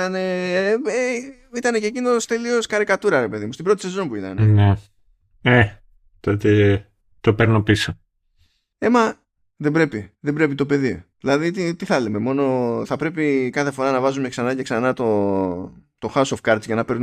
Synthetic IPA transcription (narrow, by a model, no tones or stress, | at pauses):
ɐne̞e | it̪ɐne̞cecino̞st̪e̞lio̞sxɐɾikɐt̪uɾɐɾe̞pe̞ðimust̪ibɾot̪ise̞zo̞npuit̪ɐ̰nene | e | t̪ot̪e | t̪o̞peɾnopiso | emɐ | ðebɾe̞piðebɾe̞pit̪o̞pe̞ðiðilɐðit̪it̪iθɐlime̞mo̞no̞θɐpɾe̞p̬ikɐθe̞fo̞ɾɐnɐvɐzumeksɐnɐce̞ksɐnɐt̪o | t̪o̞xɐusofkɐɾt̪sʝɐnɐpe̞ɾnu